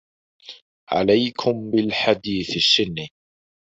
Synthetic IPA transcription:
ʕa̰lajkʰʊmbɪlħad̪iːθaʃːɪnːi

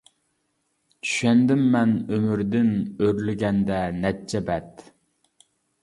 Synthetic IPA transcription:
t͡ʃʰy̥ʃɛnd̪ɪmːɛnømyɾd̪ɪnøɾlɪɡʲɛnd̪ɛnɛt͡ʃʰːɛbɛt̪

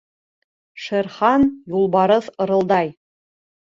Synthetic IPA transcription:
ʃĕrχɑnjulˠbɑɾɤθɤ̆ɾɤ̆lˠd̪ɑj

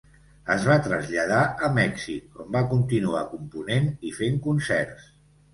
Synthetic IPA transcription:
əzβat̪ɾəzʎəð̞aʔəmɛksikombakunt̪inua̰kumpunenifeŋkunsɛɾs

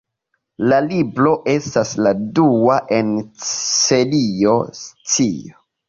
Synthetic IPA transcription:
lalibɾo̞ʔe̞stasladuaʔe̞nselio̞st͡sio

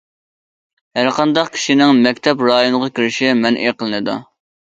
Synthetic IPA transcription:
hæɾqʰɑnd̪ɑqkʲʰi̥ʃinɪŋmɛkʲt̪ʰɛpɾɑːjonəʁɑkʲiɾɪʃimɛnʔeqəlˠɨnɨd̪ṵ

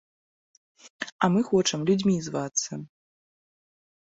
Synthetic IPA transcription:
ɐmɨxɔt͡ʂɐmlʲud͡zʲmʲizvat̪sːɐ

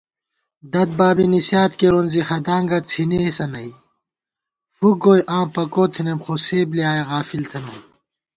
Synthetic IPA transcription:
d̪ɐd̪̚baːbinisjaːt̪keɾonzihɐd̪ãːŋɡɐt͡sʰinisɐnɐi | fuɡoːjʔãːpɐkoːt̪ʰinemxoseːbliaːjeɣaːfilt̪ʰɐnɐ

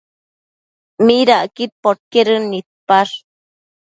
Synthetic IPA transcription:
miɾaʔkit̪̚poʈ̚keɾɨnit̪̚paɾ

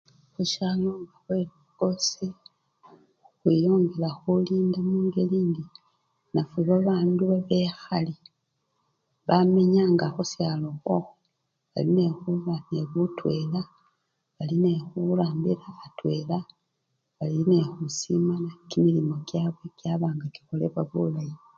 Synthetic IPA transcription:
xuʃaloŋɡaβweliaɡ̥o̞si | uxwijo̞ːŋɡe̞laxuliːndemuːŋɡe̞liːndi | nafiβaβaːnduβaβe̞xali | βameɲaŋɡaxusjalo̞xwo | βa̰line̞xuβane̞βutwe̞la | βaline̞xuɾaːmbiɾaːtwe̞la | βaline̞xusimanakimilimo̞ɡjaβwe̞kjaβaːŋɡaki̥xole̞̰βaβulaji

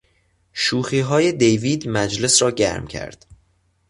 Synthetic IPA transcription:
ʃuːxiːɦɒːje̞d̪ejviːd̪mæd͡ʒle̞sɾɒːɟæ̰ɾmcʰæ̰ɾd̪̥

